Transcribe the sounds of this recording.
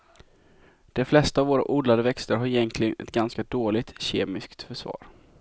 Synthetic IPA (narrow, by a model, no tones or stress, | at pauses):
d̪̥ɛflɛst̪aːvoːɾa̰ʔuːd̪lad̪əvɛkst̪əɾɦaɾɪjɛnt̪ʰlɪɡənʔɛ̰t̪ɡanskad̪oːlɪɡt̪ɕḛːmɪskt̪fœʂvɑ̰ːɾ